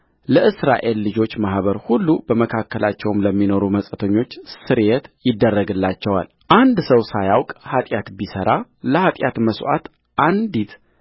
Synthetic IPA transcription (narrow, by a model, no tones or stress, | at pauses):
ləʔɨsɾa̰ʔe̞lːɨd͡ʒo̞t͡ʃːmahβəɾhulːubəməkʰakːəlat͡ʃːɛwmləmːino̞ɾuməsʼət̪ʰəɲːo̞t͡ʃːsɨɾjet̪jɪd̪ːərːəɡɨlːat͡ʃːɛwa̰l | ʔand̪səwsajawkʼhat̪ʼjat̪bisəɾaləhat̪ʼjat̪məswʔa̰t̪ | ʔand̪it̪